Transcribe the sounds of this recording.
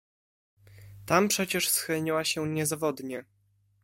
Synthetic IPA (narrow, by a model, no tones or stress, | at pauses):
t̪ampʂɛt͡ɕɛʂsxɘlɲiwaɕɛɲɛzavɔd̪ɲɛ